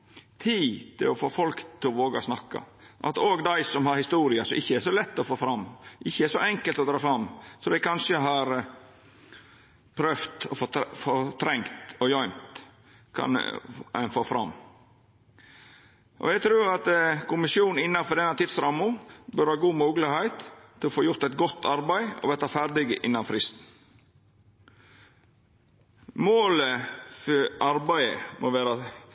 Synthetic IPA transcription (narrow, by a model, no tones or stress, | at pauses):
t̪ʰiːt̪ʰɪ̰lɔfoːfɔlkt̪ʰɪɔʋoːɡɑ̰snɑkːɑ̰ʔɑ̰t̪oːɡd̪æɪsɔmhɑɾhɪst̪uːɾɪɑsɔmɪçːəæʂɔlɛt̪ːɔfoːfɾɑmːʔɪçːəæʂɔʔɛŋkəlt̪ɔd̪ɾɑːfɾɑmːsɔd̪æɪkɑnʂəɦɑɾ | pʰɾøft̪ɔffot̪ʰɾɛŋt̪ɔjœʏmt̪ | kʰɑ̰nnfoːfɾɑ̰mː | ʔɔ̰jæɡt̪ʰɾʉːɾɑt̪kʊmɪsjuːn̩ɪnːɑfɔd̪ɛnːɑt̪ʰɪd̪sɾɑmʊbœɾhɑːɡuːmuːɡlɪhæɪt̪ʰːɪlɔfoːjʊɾt̪æɪt̪ɡɔt̪ʰːɑɾbæɪɔ̰ʋɛt̪ɑfæɾd̪ɪɡə̰ʔɪnːɑnfɾɪst̪n̩ | moːləfʔɑɾbæɪə̰moʋeːɾɑ